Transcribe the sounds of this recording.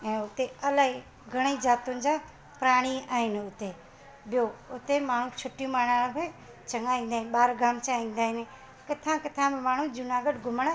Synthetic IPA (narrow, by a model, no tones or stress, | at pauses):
ɛ̃ːʊt̪eɐlaːɦi | ɡʱɐɽ̃eid͡ʑaːt̪unɪ̆d͡ʑãː | pɾaːɽ̃iaːɦɪnʊt̪e | ɓijoʊt̪emaːɳ̤ũt͡ɕʰʊʈijũmaːɳ̤al̃be | t͡ɕɐŋaĩːn̆d̪aɦɪnɓaːɾɡʱaːmt͡ɕaĩːn̆d̪aːɦɪnɪ | kɐt̪ʰãkɪt̪ʰãmẽmaːɳ̤ũd͡ʑʊnaɡəɖɡʱʊməɽ̃